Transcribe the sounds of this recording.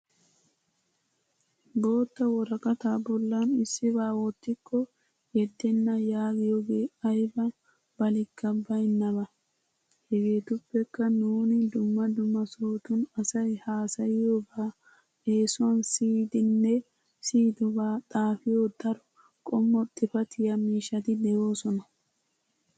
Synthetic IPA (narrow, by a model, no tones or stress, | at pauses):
bo̞ːt̪ːɐwɔɾɐkʼɐt̪aːbɔlːɐnɪsːɪbaːwɔt̪ːɪkːɔ | jɛd̪ːɛnːɐjaːɡɪjoɡeːɐjbɐ | b̥ɐlɪkːɐbːɐjnːɐbɐ | hɛɡeːt̪ʊpːɛkːɐnuːnɪd̪ʊmːɐd̪ʊmːɐsoːt̪ʊnɐsɐjhaːsɐjɪjobaː | eːsʊɐnsiːd̪ɪnːɛ | siːd̪ɔbaːt̪ʼaːfɪjoːd̪ɐɾɔ | kʼɔmːɔt̪ʼːɪfɐt̪ʰɪjɐmiːʃːɐt̪ɪd̪ɛjo̞ːsɔnɐ